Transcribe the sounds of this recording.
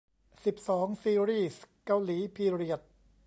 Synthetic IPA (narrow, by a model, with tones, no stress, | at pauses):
si˨˩p̚sɔː˩˦ŋsiː˧ɾiː˥˩ska˧wliː˩˦pʰiː˧ɾi˨˩ət̪̚